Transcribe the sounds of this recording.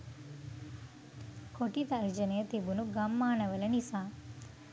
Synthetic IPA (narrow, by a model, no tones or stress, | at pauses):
kʰoʈit̪ɐːɾd͡ʒɐnɐjɐt̪ebunuɡɐmːaːnɐʋɐlɐnisaː